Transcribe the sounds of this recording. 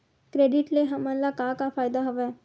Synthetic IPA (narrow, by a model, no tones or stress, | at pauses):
kɾeːɖɪʈleɦɐmɐ̃nlakakafaːjd̪aɦoʋɛː